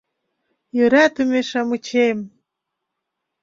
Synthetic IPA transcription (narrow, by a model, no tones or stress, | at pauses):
jøɾæt̪ɨmʲeʃamɯt͡ɕem